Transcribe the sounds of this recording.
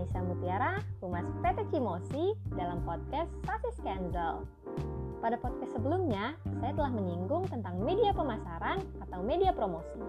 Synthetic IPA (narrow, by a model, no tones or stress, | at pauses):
isamut̪iaɾaɾumaspet̪ekimosidalampɔt̪̚kɛsːafiskɛnsəl | padapɔt̪̚kɛstsəbəlumɲasajat̪əlahməɲiŋɡʊŋt̪ənt̪aŋmediapəmasaɾanat̪awmediapɾomosi